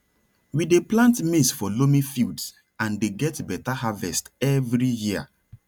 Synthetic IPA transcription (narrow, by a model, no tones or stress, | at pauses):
wideplãntmisfɔlomĩfilds | ãndeɡɛtbɛtaɦavɛ̰stɛvɹijia̰